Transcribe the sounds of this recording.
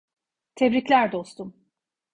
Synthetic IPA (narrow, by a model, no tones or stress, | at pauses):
t̪ʰɛvɾiclʲæɾd̪o̞st̪ʰum